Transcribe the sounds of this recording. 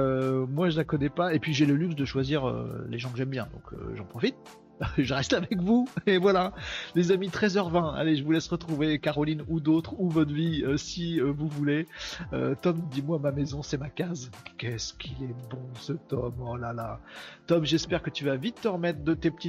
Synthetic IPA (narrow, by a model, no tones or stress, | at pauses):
ømwaʒəlakɔnɛpaepɥiʒeləlyksd̪əʃwaziʁø̰leʒɑ̃kəʒɛmbjɛ̃d̪ɔ̰̃kʰø̰ʒɑ̃pχɔfit̪̚ | ʒəʁɛst̪avɛkvuevwalalezamit̪χɛzœʁvɛ̃a̰leʒəvulɛsʁət̪χuvekaʁɔlinud̪ot̪χuvɔt̪χviøsiøvuvuleø̰t̪ɔmd̪imwamamezɔ̃sɛmakazkʲɛskʲʰilɛbɔ̃sət̪ɔmɔlalat̪ɔmʒɛspɛʁkət̪yvavit̪ːəʁəmɛt̪χd̪ət̪epə̥t̪i